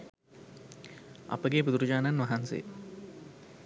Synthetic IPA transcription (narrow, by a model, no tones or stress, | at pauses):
a̰pəɡebud̪uɾud͡ʒaːnanʋɐɦansḛː